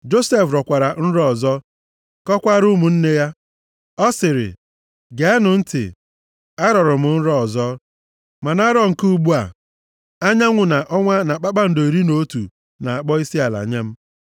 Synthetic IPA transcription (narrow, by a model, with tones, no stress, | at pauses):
d͡ʒo˦se˦˨fɾɔ˨kʷa˨ɾa˨n̩˦ɾɔ˦˨zɔ˦ | kɔ˦kʷa˦ɾu˦mu˨n̩˦ne˦ja˦ | ɔ˦sɪ˨ɾɪ̰˨ | ɡe˨a˦nʊ˨n̩˦tɪ̰˨ | a˦ɾɔ˨ɾʊ˨mʊ˨n̩˦ɾɔ˦˨zɔ˦ | ma˨na˦ɾɔ˦˨ŋ̩˨ku˦u˦ɡ͡bu˦a˨ | a˦ɲa˦ŋʷʊ˨na˨ʔɔ˦ŋʷa˦na˨k͡pa˦k͡pa˦n̩˨do˨ɾi˦no˦tu˨ | na˨a˨k͡pɔ˦i˦si˦a˨la̰˨ɲe˦m̩˦